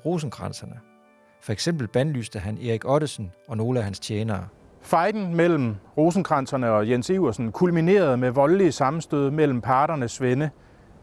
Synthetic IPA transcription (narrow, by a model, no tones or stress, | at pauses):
ʁo̝s̬n̩ɡ̥ʁɑnsɐnə | fɒ̽eɡ̥sem̰b̥l̩b̥ænlysd̥əɦæne̝ʁiɡ̥ɒ̽ɾəsn̩ɒ̽no̝ːləæhænst͡ɕʰjeːnɐː | fɑ̈ɪd̥n̩mel̰m̩ʁo̝ːs̬n̩ɡ̥ʁɑn̰sɐnəɒ̽jensiʊɐsn̩kʰulmine̝̰ːɐð̞ˠmeʋɒ̽llisɑ̈m̩sd̥øð̞̰ˠmel̰m̩pʰɑ̈ːɾ̥ɐnəsʋenə